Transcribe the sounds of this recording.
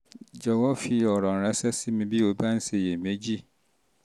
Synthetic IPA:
d͡ʑɔ˨wɔ˦fi˨ɔ˨ɾɔ̃˨ɾɛ̃˦sɛ˦sɪ˦mĩ˦bi˦o˨ba˦n̩˦se˨jɛ˨me˦d͡ʑi˦

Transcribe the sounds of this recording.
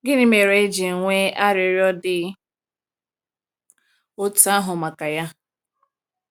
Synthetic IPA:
ɡɪ˦nɪ˦me˨ɾe˦d͡ʒi˨ŋʷe˦a˦ɾɪ˨ɾjɔ˦dɪ˦ | o˦ta˦ɦʊ˨ma˨ka˨ja˦

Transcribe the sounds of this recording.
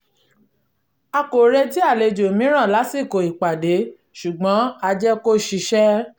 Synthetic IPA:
a˧ko˨ɾe˧ti˦a˦˨le˧˨d͡ʒo˨mĩ˨˦ɾ̃ã˦˨la˨˦si˦˨ko˨i˨k͡pa˨de˨˦ | ʃu˨ɡ͡bɔ̃˨˦a˧d͡ʒɛ˦ko˦ʃi˧ʃɛ˦

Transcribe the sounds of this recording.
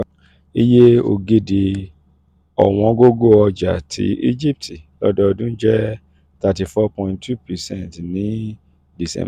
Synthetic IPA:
i˦je˦o̰˧˨ɡe˦˨de˧ | ɔ̰˨w̃ɔ̃˧˦ɡo˦ɡo˦˨ɔ˧d͡ʒa̰˨tʰḭ˨˧˦ʔi˦d͡ʒi˦p̚ti˨lɔ̰˦dɔ˧dũ˦d͡ʒɛ˦ | ta˧ti˨fɔ˦pɔ̃˧˨ĩntʰu˦˨pɛ˨sɛ̃˦˨ntnĩ˨˦ | di˨sɛ̰̃˦

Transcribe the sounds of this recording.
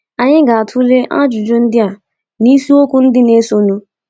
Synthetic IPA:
a˨ɲɪ̃˦ɡa˨tʰu˦le˦ʔã̰˦d͡ʒʊ˨d͡ʒo˦n̩˦dɪ˦a˨ | ni˦su˦o˦kʊ˦n̩˦dɪ˦ne˦so˨nu˦

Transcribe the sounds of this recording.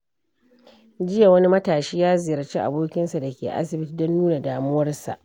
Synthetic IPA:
d͡ʒɪ˦ja˨wɐ˦ni˦mɐ˦taː˨ʃiː˦jaː˦zɪ˨jɐ˨rt͡ʃe˦ʔa̰˨boː˦kʲɪ˦nsa˨dɐ˨kʲḛː˨ʔa̰˦sɪ˨bɪ˦ti˨dɔ˦nːuː˦na˨daː˨mʊ˦wɐ˦rsa̰˨ʔ

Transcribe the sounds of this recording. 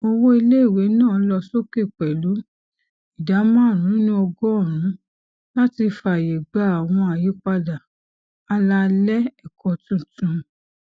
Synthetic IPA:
o˧wo˦i˧le˦i˦˨we˨˦nãː˦˨˦lɔ˧so˦ke˦˨k͡pɛ˨lu˨˦ | i˨da˨˦mã˦˨ɾ̃ũ˨˦nĩ˦ɔ˧ɡɔ˦ɔ˦˨ɾ̃ũ˨˦ | la˦ti˧fa˨je˨ɡ͡ba˨˦a˨w̃ɔ̃˧a˨ji˨˦k͡pa˧da˨ | a˧la˧lɛ˦ɛ˨kʰɔ̃˨tũ˨˦tũ˧˦

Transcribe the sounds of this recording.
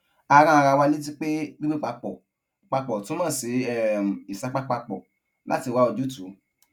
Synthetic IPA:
a˧ɾ̃ã˧a˧ɾa˧wa˧li˦t̬i˦k͡pe˦ɡ͡bi˦ɡ͡be˦k͡pa˧k͡pɔ˨ | k͡pa˧k͡pɔ˨tũ˨˦mãː˦˨se˨˦ɛ˦˨m̩˨i˨sa˧k͡pa˦k͡pa˧k͡pɔ˨ | la̰˨˦ti˧˨wa˨˦o˧d͡ʒu˦tu˨˦

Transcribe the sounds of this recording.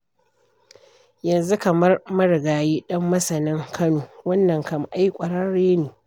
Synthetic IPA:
jɐ˨nzu˦kɐ˨mɐ˦rmɐ˦ɽɡaː˨jiː˦ɗɐ˦mːɐ˦sɐ˨nɪ˦ŋkʰɐ˦noː˨wɐ˦nːɐ˨ŋkɐ˨m˨ʔa˦jkʷʼɐ˨ɽɐ˦nɽeː˦neː˨

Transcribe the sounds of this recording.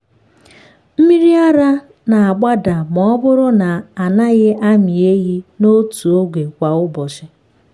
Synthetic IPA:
m̩˦mi˦ɾi˦a˦ɾa˦ | na˨a˨ɡ͡ba˦da˨mɔ˦bʊ˦ɾʊ˦na˨a˨na˦ɣɪ˦a˦mi˨e˦ɣi˦no˦tu˨o˦ɡʷe˨kʷa˨ʊ˦bɔ˨ʃɪ˨

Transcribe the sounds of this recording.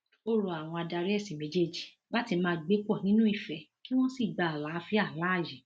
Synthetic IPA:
o˦˨ɾo˨a˨w̃ɔ̃˧a˧da˧ɾi˦ɛ˦˨si˨mẽ˨˦d͡ʒe˦d͡ʒi˨ | la˦ti˧mãː˧ɡ͡be˦kɔ˦˨nĩ˦nũ˦i˦˨fɛ˨˧ki˦w̃ɔ̃˦si˦˨ɡ͡ba˨la˨˦fi˦a˦˨la˨˦˨ji˨

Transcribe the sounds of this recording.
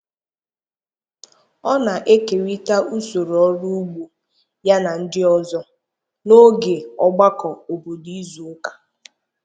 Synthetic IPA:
ɔ˦na˨ʔe˦ke˨ɾi˦ta˦ʔu˦so˨ɾɔ˦ɾu˦ɡ͡bu˦ | ja˦na˨n̩˦dɪ˦ɔ˦zɔ˦ | no˦ɡe˨ɔ˦ɡ͡ba˦kɔ˨o˨bo˨di˦zu˨˦kḁ˨

